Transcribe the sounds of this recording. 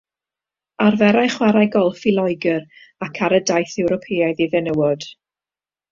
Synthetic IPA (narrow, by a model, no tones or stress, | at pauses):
arvɛɾajχwaɾajɡɔlˠfilˠɔɨɡəɾ | akʰaɾədajθɛwɾɔpʰeːajðiðɛnəwɔd̥